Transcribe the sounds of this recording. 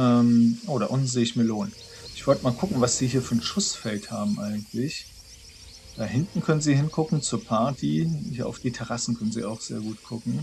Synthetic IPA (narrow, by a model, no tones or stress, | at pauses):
ʔɛːmʔoːɾɐʔʊnn̩z̥eːɪçmiːɐloːn | ʔɪçv̥ɔltəmaːlkʰʊkŋ̩vasz̥iːhiːɐfyːɐnʃʊsfɛlthaːbm̩ʔaɪɡŋ̩tʰlɪç | d̥aːɦɪntn̩kʰœnənziːhɪnkʰʊkŋ̩t͡suːɐpʰaɐtʰihiːɐʔa̰ʊfd̥iːtʰɛʁ̞asn̩kʰœnənzḭːaʊxz̥ḛːɐɡuːtkʰʊkŋ̩